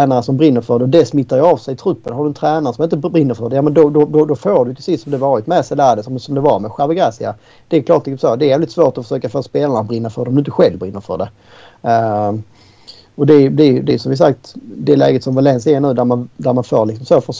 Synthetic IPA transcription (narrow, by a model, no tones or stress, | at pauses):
ɛːnaɾəsɔmbɾɪnːəɾfœɖɛɔd̪ɛsmɪt̪ːaɾjɑɑvsɛjt̪ʰɾɵpːənhaɖɵɛnt̪ʰɾɛːnaɾəsɔmjɪnt̪əbɾɪnːəɾfœɖɛjɑːmɛnd̪ɔd̪ɔd̪ɔd̪ɔfoːɖɵjt̪ʰɪsɪsːɔmd̪ɛvɑːɾɪt̪mɛsɛləæɖɛsɔmsɔmd̪ɛvɑɾmɛɧavəɡɾɛːsɪa | d̪̥ɛːkʰlɑːʈlɪksɔmsoːd̪ɛæɾjæːvlɪt̪svoːʈ̪ɔfə̥ʂøːkaføːɾspeːlanabɾɪnːafœɾɖɔmd̪ɪnt̪əɧɛlvbɾɪnːəɾfœ̰ɖɛ | ɔd̪ɛb̪ɛjɵd̪ɛjʏsɔmvɪs̬ak̚t̪d̪ɛlɛ̰ːɡət̪sɔmvalɛnsɪaɳʉ̟ːd̪æɾmand̪æɾmanfoːɾlɪksɔmsoːfəʂ